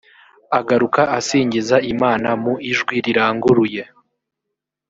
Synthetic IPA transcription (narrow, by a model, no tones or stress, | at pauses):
aɡaɾukaʔasiːɲɟizaimaːnamuiʒɡwiɾiɾaːŋɡuɾuje̞